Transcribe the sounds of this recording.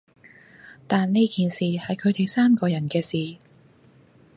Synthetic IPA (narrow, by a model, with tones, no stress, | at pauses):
t̪aː˨nne˥jkiː˨nsiː˨˩hɐ˨jkʰɵ˨˧ɥt̪e˨˩jsaː˥mkɔː˧jɐ˨˩nkɛː˧siː˨˩